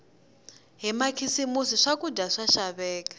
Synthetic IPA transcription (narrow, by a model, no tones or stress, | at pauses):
ɦɛmakʰisimusiʂakʼudʱaʂaʃaβɛːk̬ʼḁ